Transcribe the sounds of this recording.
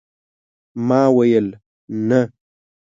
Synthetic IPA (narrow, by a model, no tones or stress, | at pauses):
maːwɐjəl | nə